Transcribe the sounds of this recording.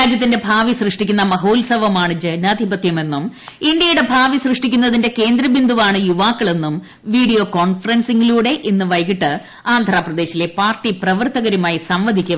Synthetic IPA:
ɾaːd͡ʑjɐt̪ːinde̞bʱaːʋisrɨʂʈikʲːunːɐmɐɦoːlsɐʋɐmaːɳɨd͡ʑɐnaːd̪ʱibɐt̪jɐme̞nːumindjɐjuɽe̞bʱaːʋisrɨʂʈikʲːunːɐðinde̞ke̞ːnd̪ɾɐbind̪ʱuʋaːɳɨjuʋaːkːɐɭe̞nːum | ʋiːɽijo̞ːko̞ːɳfɐrɐnsiŋɡiluːɽe̞ʔinːɨʋɐjkiʈːɨ | aːnd̪ʱɾaːprɐd̪e̞ːɕile̞paːrʈːiprɐʋɐrt̪ɐɣɐɾumaːjisɐmʋɐd̪ʱikʲːu

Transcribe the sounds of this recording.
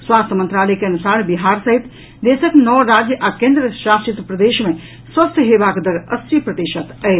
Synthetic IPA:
swast̪ʰəmənt̪ɾalɛkeənusaɾbiɦaɾsəɦit̪ | d̪esəknɔɾad͡ʒjəʔakẽnd̪ɾəʃast̪ɾit̪pɾəd̪eʃme | swəst̪ʰjəɦebakd̪əɾəst̪ɾipɾət̪iʃət̪ə

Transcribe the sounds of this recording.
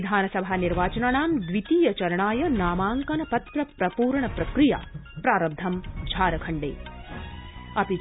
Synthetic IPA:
d̪ʱaːnɐsɐbʱaːniɾʋaːt͡ʃɐnaɳaːmd̪ʋit̪iːjɐt͡ʃɐɾɐɳaːjɐnaːmaːŋkɐnɐpɐt̪ɾɐpɾɐpuːɾɳɐpɾɐkɾija̰ːpɾaːɾɐb̚d̪ʱɐmd͡ʒʱaːɾɐkʰɐɳɖḛː | ɐpi

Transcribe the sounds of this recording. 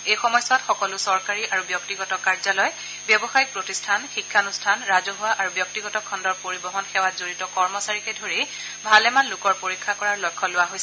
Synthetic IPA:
ejxɔmɔjsatxɔkɔlʊsɔɹkaɹiʔaɹubjɔk̚tiɡɔtɔkaɹzalɔj | bjɔbɔxajik̚pɹotistʰanxikʰːanustʰanɹazɔɦʊwaʔaɹubjɔk̚tiɡɔtɔkʰɔndɔɹpoɹibɔɦɔnxɛwatzoɹitɔkɔɹmɔsaɹikɛdʱoɹi | bʱalɛmanlʊkɔɹpoɹikʰːakɔɹaɹlɔjkʰːɔlʊwaɦojs

